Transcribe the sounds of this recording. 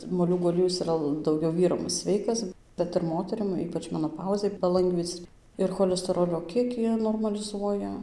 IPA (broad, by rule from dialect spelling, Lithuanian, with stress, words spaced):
moːˈlʲuːɡuː ɐˈlʲiɛjʊs ɪˈrɐ dɐʊˈɡʲɛʊ ˈʋʲiːrɐm ˈsʲʋʲɛɪkɐs ˈbʲɛt ɪr ˈmoːtʲɛrʲɪm ˈiːpɐt͡ʃ mʲɛnoːˈpɐʊzʲɛɪ pɐˈlˠɐŋɡʋʲiːt͡s ɪr xoːlʲɛsʲtʲɛˈroːlʲoː ˈkʲiɛkʲiː noːrmɐlʲɪˈzuɔjɛ